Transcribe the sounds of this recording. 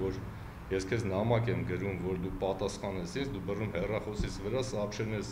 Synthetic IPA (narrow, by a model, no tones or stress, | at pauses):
vɔɾ | jɛskʰɛznɑmɑkɛmɡəɾumvɔɾd̪upɑt̪ɑsχɑnɛsʰint͡sʰd̪ubərumhɛrɑχɔsit͡sʰvəɾɑsɑpʃɛnɛs